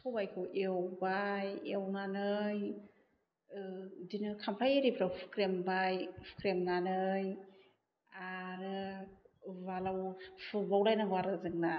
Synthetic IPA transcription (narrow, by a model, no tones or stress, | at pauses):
kʰawbajkʰɯwʔewbajewnanɯj | dinɯkʰampʰɾajeɾipʰɾawpʰu̥kɾembajpʰkɾemnanɯj | aɾɯ | balawpʰɯbawɾajnaŋɡwaɾɯzɯŋna